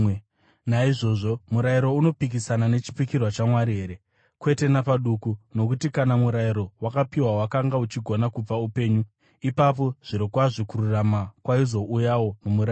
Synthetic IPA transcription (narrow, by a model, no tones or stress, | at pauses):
naiʐo̞ʐo̞muɾaiɾo̞uno̞pik̬isanane̞t͡ʃi̥pikirwat͡ʃamwaɾiɦe̞ːɾe̞ | kwe̞te̞napaɗukuno̞kutikanamuɾaiɾo̞wakapiwawakaŋɡaut͡ʃiɡʱonakub͡vaupe̞ːɲu | ipapo̞ʐ̥iɾokwaʐikuɾuramakwaizo̞ʔujawo̞mumuɾa